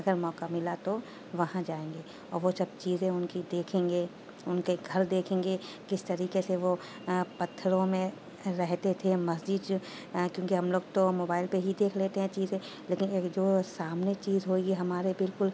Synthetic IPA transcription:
ɐɡəɾmɔːkamɪlat̪o | ʋɐɦãd͡ʒaːẽːŋɡeː | ɔːɾʋosɐb̚t͡ʃiːzẽʊnkid̪eːkʰẽːŋɡeː | ʊnkeɡʱɐɾd̪eːkʰẽːŋɡe | kɪst̪ɐɾiːkeseʋo | pɐt̪ʰːɾõmẽ | ɾɛɦt̪et̪ʰemɐsd͡ʒid̪ | kjõːkiɦɐmloːɡt̪omoːbaːɪlpeɦid̪eːkʰleːt̪eɦɛ̃t͡ʃiːzẽ | leːkɪneːkd͡ʒoːsaːmnet͡ʃiːzɦoːeːɡiɦɐmaːɾebɪlkʊl

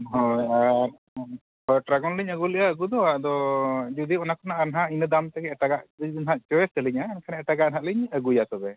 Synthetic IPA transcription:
ɦɔaɾ | pəɾʈɾaɡɔnliɲəɡulɛʔaəɡud̪ɔaʔd̪ɔd͡ʒud̪iɔnakɔnaʔanɦaʔinəd̪amt̪ɛkɛʈaɡaʔd̪nɦaʔ̪̚t͡ʃɔɛst̪əliɲaːnkʰanɛɛʈaɡanɦaliɲəɡujat̪ɔbɛ

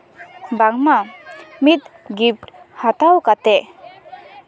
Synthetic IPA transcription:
baŋmamit̪̚ɡip̚ʈhat̪awkat̪ɛ

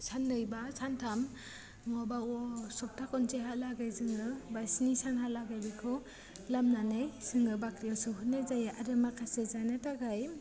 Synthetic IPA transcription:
sʰanːɯjbasʰantʰam | mɔbaɔsɔp̚tʰakɔnt͡ʃeɦalaɡajzɯŋɡɯbajsnisanhalaɡajbikʰɯ | lamnanɯjsɯŋɡɯbakɾijawsɯɦunazajaʔaɾɯmakʰasezanataɡaj

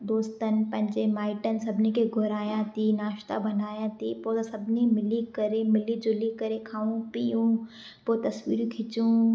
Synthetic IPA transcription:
d̪oːst̪ənpɐ̃ɦɪ̃ɲd͡ʒemaːɪʈənsɐbnekeɡʱʊɾaːjãt̪ʰiːnaːʃt̪a̰bɐnaːjãt̪ʰipoːsɐbʱnimɪlikɐɾemɪlid͡ʒʊlikɐɾekʰaːũpijũː | pot̪ɐswḭːɾũkʰɪt͡ʃũː

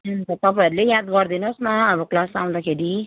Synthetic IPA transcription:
nt̪ʌt̪ʌpaiɾlejad̪ɡʌɾd̪inosnaːbʌklasaw̃nd̪akʰeɾi

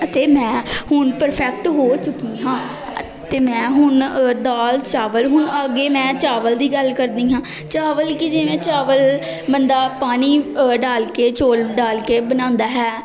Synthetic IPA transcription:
t̪eːmɛ̃ːhʊɳpəɾpʰɛːk̚ʈɦoːt͡ʃʊkːiːɦãː | t̪eːmɛ̃ːɦʊɳd̪aːlt͡ʃaːʋəlɦʊɳəɡeːmɛ̃ːt͡ʃaːʋəld̪iːɡəlkəɾd̪iːɦãː | t͡ʃaːʋəlkɪd͡ʒeʋẽːt͡ʃaːʋəl | bənd̪aːpaːniːɖaːlkeːt͡ʃoːlɖaːlkeːbənãːnd̪aːɦɛː

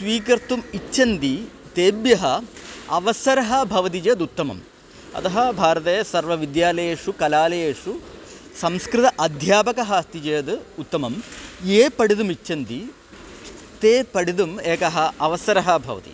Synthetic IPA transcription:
sʋiːkɐɾt̪umit͡ʃːʃɐnd̪it̪eːbjɐɦɐɐʋɐsɐɾɐɦɐ̆bʱɐʋɐt̪̬id͡ʒɐjɐd̪ut̪ːɐmɐ̰m | ɐ̰t̪ɐɦɐbʱaːɾɐt̪ɐjɐsɐɾʋɐʋid̪jaːlɐjeːʂukɐlaːlɐjeːʂu | sɐmskɾɨt̪ɐʔɐd̪ʱjaːpɐkɐɦɐst̪id͡ʒejɐd̪ut̪ːɐmɐmeːpɐɽid̪umit͡ʃʃɐnt̪i | t̪eːpɐɽid̪umeːkɐɦɐɐʋɐsɐɾɐɦɐbʱɐ̰ʋɐ̰t̪ḭ

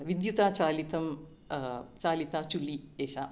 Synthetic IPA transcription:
ʋid̪jut̪aːt͡ʃaːlit̪ɐm | t͡ʃaːlit̪aːt͡ʃulieːʂa

